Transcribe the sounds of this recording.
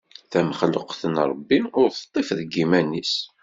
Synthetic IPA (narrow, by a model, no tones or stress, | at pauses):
θæməχləqθənɾˤəbːinʊɾθt̪ˤːifðɡimænːis